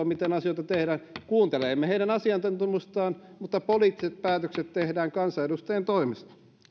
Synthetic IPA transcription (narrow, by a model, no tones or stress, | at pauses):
ɑmit̪enɑsijoit̪ɑt̪ehɾæːnkuːnt̪elemːeheiɾænɑsiɑnt̪ɑnt̪umːust̪ɑːnmut̪ːɑpoliːt̪ːiset̪̚pæːt̪økset̪t̪ehdæːŋkɑnsɑedust̪ɑjent̪oimest̪ɑ̥